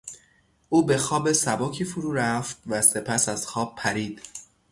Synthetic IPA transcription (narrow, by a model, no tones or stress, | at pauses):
ʔuːbe̞xɒːbesæbɒːcʰiːfuɾuːɾæft̪̚væse̞pʰæsæz̥xɒːb̥̚pʰæɾiːd̪̥